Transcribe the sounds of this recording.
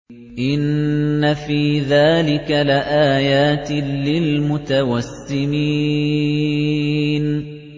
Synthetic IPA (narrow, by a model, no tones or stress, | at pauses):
ʔɪnːafiːðaːlɪkalɪʔaːjaːt̪lɪlmʊt̪awasːɪmiː | n